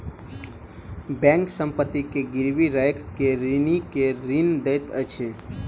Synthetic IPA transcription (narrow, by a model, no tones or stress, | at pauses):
bɛ̃ŋksə̃mpət̪ːikeɡɪɾʋiɾajkʰːeɾinikeɾind̪əjt̪ət͡ʃʰe